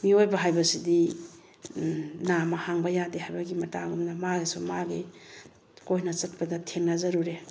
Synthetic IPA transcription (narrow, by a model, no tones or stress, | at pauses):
miojbɐɦajbɐsidi | namɐhaŋbɐjadehajbɐɡimɐtaɡumnɐmaɡisumaɡi | kojnɐt͡ʃɐt̚pɐdɐtʰeŋnazɐɾuɾe